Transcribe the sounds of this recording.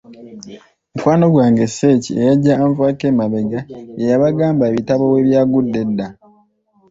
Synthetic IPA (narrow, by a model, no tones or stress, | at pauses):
mukwaːno̞ɡwaːŋɡe̞se̞ːciejaɟːaːɱvaːkeːmaβe̞ɡaejaβaɡaːmbaeβitaβo̞we̞βjaːɡudːe̞dːa